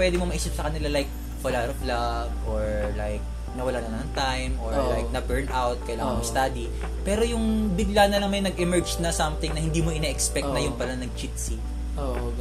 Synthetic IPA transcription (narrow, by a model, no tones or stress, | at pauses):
pwɛd̪ɪmomɐʔiːsɪt̪sɐkɐnɪlalajk̚ | wɐlaɐflaɡʔoɹlajk̚ | nɐwɐlaːnɐnɐnɐŋt̪ajmʔoɹlajk̚nɐbɛɹnawt̪̚kɐjlaːŋɐnmost̪aːd̪i | pɛːɾo̞jʊŋbɪɡlanɐlɐŋmɐjjnɐɡɛmɛɹd͡ʒnɐsɐmt̪ɪŋnɐhɪnd̪iːmoʔɪnɛʔɛkspɛktnɐjʊnpɐlɐnɐɡ̚t͡ʃit̪si | o